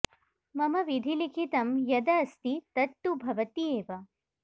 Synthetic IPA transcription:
mɐmɐʋid̪ʱilikʰit̪ɐmjɐd̪ɐːst̪it̪ɐʈt̪ːubʱɐʋɐt̪ieːʋɐ

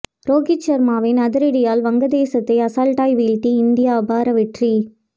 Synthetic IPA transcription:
ɾoːɡɪt͡ʃːɐɾmaːʋɪnɐðɪɾɪɽɪjaːlʋɐŋɡɐd̪eːsɐt̪ːɐɪɐsaːlʈaːjʋiːlʈiɪnd̪ɪjaːɐbaːɾɐʋɪʈri

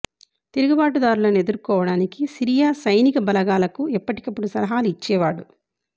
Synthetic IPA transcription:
t̪eɾuɡubaːʈud̪aːɾulɐned̪uɾkɔːʋɐɽaːnikisiɾijaːsɐjnikɐbɐlɐɡaːlɐkuɛpːɐʈi̥kɐpːuɽusɐlɐɦaːluit͡ʃːɛːʋaːɽu

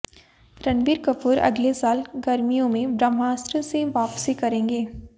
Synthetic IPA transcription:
ɾɐnbiːɾkɐpuːɾɐ̰ɡlesaːlɡɐɾmijõmẽbɾəmɦaːst̪ɾəseʋaːpsikɐɾẽːŋɡeː

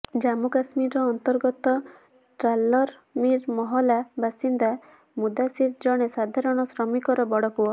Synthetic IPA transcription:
d͡ʒamukasmiɾɔːnt̪ɔɾɡɔt̪ɔ | ʈɾalɔɾ | miɾmɔɦɔlabasind̪a | mud̪asiɾd͡ʒɔɽ̃esad̪ʱaɾɔɽ̃ɔsɾɔmikɔɾɔbɔɽɔpuɔ

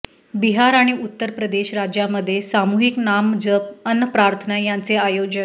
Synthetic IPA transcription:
biɦaɾaɽ̃iʔut̪ːəɾpɾəd̪eɕɾad͡ʑjaməd̪ʱːjesamuɦiknamd͡ʑəpənːəpɾaɾt̪ʰənajant͡seajod͡ʑən

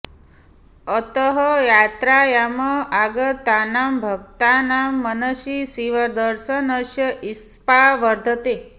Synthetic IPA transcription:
ət̪əɦəjat̪ɾajaməaɡət̪ːanambʱəɡ̚t̪anamːənəʃisiʋəd̪əɾʃənəʃjəʔispaʋəɾd̪ʱət̪e

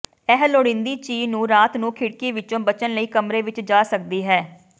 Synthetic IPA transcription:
ɛɦloɽɪ̃nd̪iːt͡ʃiːnũːɾaːt̪nũːkʰɪɽkiːʋɪt͡ʃõːbət͡ʃənləiːkəmɾeːʋɪt͡ʃd͡ʒaːsək̚d̪iːɦɛː

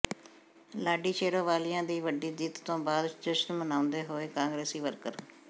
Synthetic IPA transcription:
laːɖiːt͡ʃʰeːɽoːʋaːlɪjãːd̪iːʋəɖiːd̪iːt̪t̪õːbaːd̪ʈəʃənmənãːʊ̃nd̪eːɦoːeːkãːŋɡɾeːsiːʋəɾkəɾ

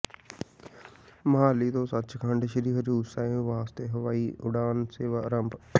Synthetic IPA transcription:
məɦaːliːt̪õːsət̪ːt͡ʃkʰəɳɖʃəɾiːɦəɾuːsaːẽʋaːst̪eːɦəʋaːiːʔʊɽaːnseːʋaːɾəmb

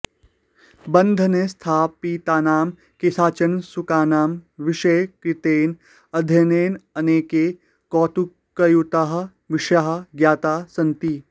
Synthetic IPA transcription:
bɐnd̪ʱɐnest̪ʰaːpiːt̪aːnaːm | kesaːt͡ʃɐnsukaːnaːmʋɪʃɐjkɾɪt̪eːn | ɐd̪ʱjɐneːnɐneːkeː | kɔːt̪u | kɐjut̪aɦɐ̆ | ʋɪʃaɦɐ̆ɡjaːt̪aːsɐnt̪iː

